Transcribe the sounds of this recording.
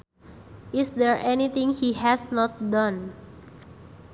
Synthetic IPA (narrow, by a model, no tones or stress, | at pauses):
ʔisd̪ɛɹʔɛnit̪ɪ̃ŋhihɛsnɔt̪̚dãn